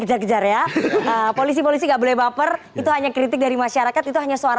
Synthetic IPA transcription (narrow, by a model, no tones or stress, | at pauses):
kəd͡ʒarkəd͡ʒarjaəpolis̬ipolis̬iŋɡaʔbolɛhbapər | it̪uɦaɲakɾit̪ɪk̚daɾimaʃaɾakat̪it̪uɦaɲasoaɾa